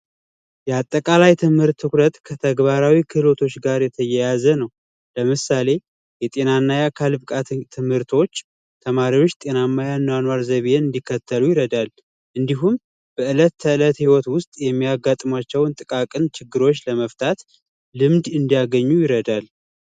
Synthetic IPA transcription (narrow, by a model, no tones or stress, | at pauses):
jɛat̪ʼːəkʼalajt̪ʰɨmhɨɾt̪ʰːɨkɾət̪kʰət̪ʰəɡbaɾawikʰɨlo̞t̪ʰo̞t͡ʃːɡaɾjɛt̪ʰəjɛjazənəw | ləmɨsale̞ | jɛt̪ʼe̞nanːajakʰalbɨkʼat̪t̪ʰːɨmhɨɾt̪ʰo̞t͡ʃː | t̪ʰəmaɾiwo̞t͡ʃːt̪ʼe̞namːajanːanwaɾzəβeɨnd̪ikʰːət̪ʰːəlujɪɾəd̪al | ʔɨnd̪iɦum | b̥əʔɨlət̪ːʰəɨlət̪hiwɔt̪wʊst̪ʼjɛmːijaɡːat̪ʼmat͡ʃːɛwnt̪ʼɨkʼakʼɨnt͡ʃɪɡːɨɾo̞t͡ʃːləməft̪ʰat̪ | lɨmd̪ɨnd̪ijaɡəɲːujɪɾəd̪al